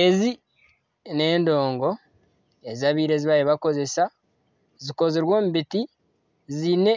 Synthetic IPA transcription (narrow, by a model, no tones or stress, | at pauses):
ezi | ne̞ːndo̞ːŋɡo̞ | e̞ziaːβiːɾe̞ziβajeβako̞ze̞sa | ziko̞ziɾwo̞ːmubiti | zine̞